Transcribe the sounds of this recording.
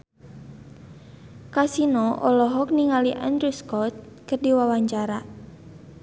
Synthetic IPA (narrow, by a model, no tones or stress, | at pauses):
kasinɔʔɔlɔɦɔk̚niŋaliʔand̪ɾuskɔt̪̚ | kərdiwawaɲt͡ʃaɾa